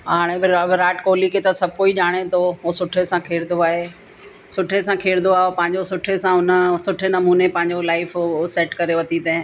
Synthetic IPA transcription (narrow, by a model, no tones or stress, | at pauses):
ɦaːɽ̃ẽbɪɾaːʈkoːliket̪ɐsɐb̚ʱkoːiʄaːɽ̃et̪ʰoɦoːsʊʈʰesãkʰeːɾɪd̪ʱoaːɦeː | sʊʈʰesãkʰeːɾɪd̪oaːopɐ̃ɦɪ̃ɲd͡ʑosʊʈʰesãʊnəsʊʈʰenɐmuːnepɐ̃ɦɪ̃ɲd͡ʑolaːɪfsɛːʈkɐɾeʋɐt̪it̪ɛ̃